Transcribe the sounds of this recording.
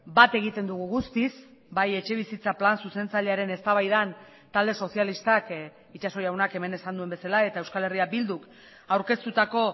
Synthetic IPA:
bat̪e̞ɣ̞it̪e̞nd̪uɣuɣust̪isbaje̞t͡ʃe̞β̞isit͡saplansuse̞nt͡saʎe̞aɾe̞ne̞st̪aβajðan | t̪ald̪e̞so̞sijalist̪ak | it͡ʃaso̞jawnake̞me̞ne̞sand̪ue̞mbe̞salae̞t̪aewskale̞riabild̪uk | awɾke̞st̪ut̪ako̞

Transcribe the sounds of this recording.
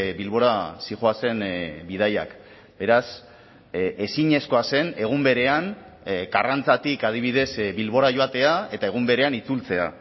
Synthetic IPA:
bilβo̞ɾasiʝoase̞nbið̞aja̰k | be̞ɾas | e̞siɲe̞sko̞ase̞ne̞ɣ̞umbe̞ɾe̞an | ɡarant͡sat̪ikað̞iβ̞ið̞e̞sbilβ̞o̞ɾaʝo̞at̪e̞ae̞t̪ae̞ɣ̞umbe̞ɾe̞anit͡sult͡se̞a̰

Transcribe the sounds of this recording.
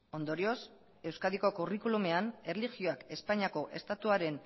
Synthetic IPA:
o̞nd̪o̞ɾio̞s | e̞wskaðiko̞kurikulume̞anerlixio̞ake̞spaɲiako̞ʔe̞st̪at̪uaɾe̞n

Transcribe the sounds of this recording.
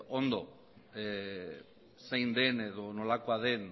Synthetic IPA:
ond̪o̞ | sejnd̪e̞neðo̞no̞lakoaðe̞n

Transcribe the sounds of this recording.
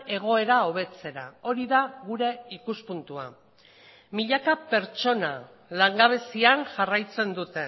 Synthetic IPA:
e̞ɣ̞o̞e̞ɾao̞β̞e̞t͡se̞ɾao̞ɾiðaɣuɾe̞ikuspunt̪ua̰ | miʎakape̞ɾt͡ʃo̞na | laŋɡaβ̞e̞siaŋʝarajt͡se̞nd̪ut̪e̞

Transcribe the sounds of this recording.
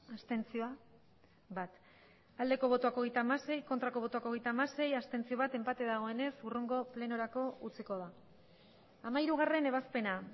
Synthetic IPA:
ast̪e̞nt͡sioa | bat̪ | ald̪e̞ko̞β̞o̞t̪oako̞ɣejt̪aːmase̞jko̞nt̪ɾako̞β̞o̞t̪oako̞ɣ̞ejt̪aːmase̞jast̪e̞nt͡sio̞βat̪e̞mpat̪e̞ðaɣ̞o̞e̞ne̞suruŋɡo̞ple̞noɾako̞ut͡siko̞ð̞a | amaiɾuɣ̞are̞ne̞βaspe̞na

